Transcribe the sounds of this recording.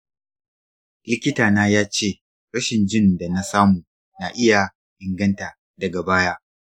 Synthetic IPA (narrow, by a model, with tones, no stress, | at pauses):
lɪ˦kʲɪ˦taː˨naː˦jaː˦t͡ʃeː˦˨ | ɽɐ˦ʃɪ˨nd͡ʒɪ˦nda˨na˦saː˦muː˨ | na˨ʔɪ˦ja˨ | ʔɪ˨ŋɡɐ˦nta˨ | dɐ˨ɡa˨baː˦jaː˦